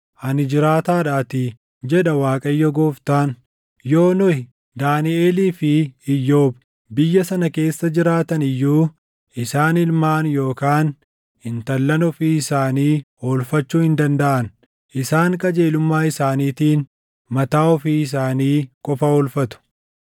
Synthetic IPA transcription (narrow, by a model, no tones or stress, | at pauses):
ʔɐnɪd͡ʒɪɾaːt̪aːᶑaːt̪ɪ | d͡ʒɛᶑɐwaːkʼɐjːɔɡoːft̪aːn | joːnɔhɪ | d̪aːnɪʔeːliːfɪːjːo̞ːb | bɪjːɐsɐnɐke̞ːsːɐd͡ʒɪɾaːt̪ɐnɪjːuː | ʔɪsaːnɪlmaːnjo̞ːkaːn | hɪnt̪ɐlːɐnɔfiːɪsaːniː | oːlfɐt͡ʃːuːhɪnd̪ɐnd̪ɐʔɐn | ʔɪsaːŋkʼɐd͡ʒe̞ːlʊmːaːɪsaːniːt̪iːn | mɐt̪aːɔfiːɪs̬aːniːkʼɔfɐɔːlfɐt̪ʊ̥